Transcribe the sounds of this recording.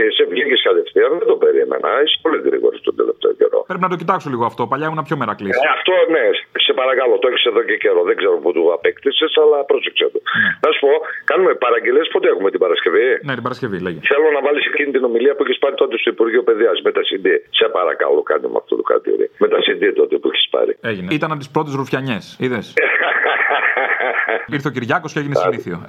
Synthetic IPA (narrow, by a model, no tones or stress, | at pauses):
esevʝiciskɐt̪efθiɐðend̪ope̞ɾimḛnɐ̰ise̥po̞liɣɾḭɣo̞̰ɾist̪ond̪e̞̰left̪ḛo̰ce̞̰ɾo̞̰pɾepinɐt̪o̞cit̪ɐksoliɣoɐft̪o̞pɐʎɐeunɐpçomeɾɐkliɐft̪o̞nese̞pɐɾɐkɐlo̞t̪oeçise̞ðo̞cece̞ɾo̞ðeɡzeɾoput̪uɐpekt̪isesɐlɐpɾo̞sekset̪unɐsu̥po̞kɐnumepɐɾɐɲɟelespo̞t̪eexumet̪ibɐɾɐsce̞vinet̪ibɐɾɐsce̞vileʝeθeluonɐvɐlisecinit̪ino̞miliɐpuiçespɐɾit̪ot̪est̪ouipuɾʝiupe̞ðiɐsme̞t̪ɐsind̪ise̞pɐ̰ɾɐ̰kɐ̰lo̰kɐ̰nḭm̰ɐ̰ft̪ot̪ukɾɐ̰t̪ḭɾḭme̞t̪ɐsind̪it̪ot̪epuiçe̥spɐ̰ɾḭeʝineit̪ɐnɐpot̪ispɾo̞t̪ezɾufçɐɲe̞siðes | iɾθeciɾʝɐko̞sceeʝinessniθio̞